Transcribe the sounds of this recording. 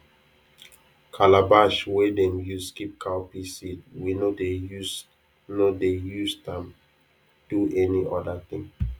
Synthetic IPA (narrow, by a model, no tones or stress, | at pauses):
kʰalabaʃwɛdɛ̃njuskip̚kʰaʊpisid̚winodes | nodejusdɛ̃m | d̥uɛniʔɔdət̪ĩŋ